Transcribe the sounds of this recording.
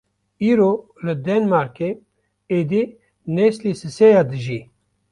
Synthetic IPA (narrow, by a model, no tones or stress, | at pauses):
iːɾo | lɨd̪ɛnmaːɾke | ed̪i | neslisɨsejaːd̪ɨʒi